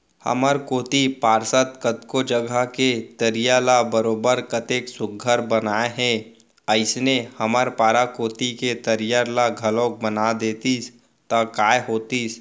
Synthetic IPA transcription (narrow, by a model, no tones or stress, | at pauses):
hɐ̰məɾkoːt̪ipaːɾsət̪kət̪kod͡ʒəɡʱəket̪əɾɪjalabəɾoːbəɾkət̪eːksʊɡʱəɾbənaːeɦɛ̃ | əɪsnehɐməɾpaːɾakoːt̪iket̪əɾijaɾlaɡʱɐlõk̚bənad̪eːt̪is | t̪akaːeɦoːt̪is